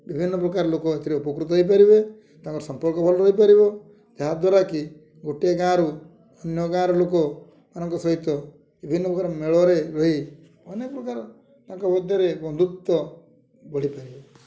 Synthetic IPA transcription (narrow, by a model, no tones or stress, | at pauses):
bibʱinːɔpɾɔkaɾlokɔet̪ʰiɾiɔpɔkɾut̪ɔɦɔip̬aɾibe | t̪ãŋkɔɾsɔmpɔɭkɔbʰʱɔlɔɾɔɦipaɾibɔ | d͡ʒaɦad̪waɾaki | ɡoʈeɡãɾu | ɔnjɔɡãɾɔlokɔ | manɔŋkɔsɔɦit̪ːɔ | bibʱinːɔpɾɔkaɾɔmeɭɔɾeɾɔɦi | ɔnekɔpɾɔkaɾɔ | t̪ãŋkɔbɔd̪ʱɔɾebɔnd̪ʱut̪ːɔ | bɔɭ̤ipaɾibe